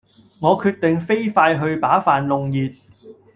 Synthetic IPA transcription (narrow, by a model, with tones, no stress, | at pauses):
ŋɔː˨˧kʰyː˧t̚t̪ɪ˨ŋfe˥jfaː˧jɦɵ˧ɥpaː˨˥faː˨nlʊ˨ŋjiː˨˩t̚